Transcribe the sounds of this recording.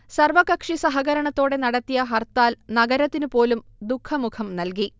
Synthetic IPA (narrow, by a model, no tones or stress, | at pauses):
sɐrʋɐkɐkʂisɐɦɐɣɐɾɐɳɐt̪ːo̞ːɽenɐɽɐt̪ːijɐɦɐrt̪aːlnɐɡɐɾɐt̪ːinɨpo̞ːlumd̪ukʰːɐmukʰɐmnɐlki